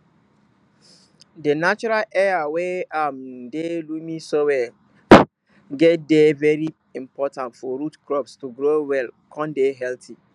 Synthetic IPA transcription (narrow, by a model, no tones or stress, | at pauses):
denat͡ʃɔɾalɛɹaweamdelumĩsowɛ | ɡɛt̚devɛɾi | ĩmpʰɔtãntfɔɾutkɾɔpstuɡɾoːwɛlkʰɔ̃ndeɦɛltʰi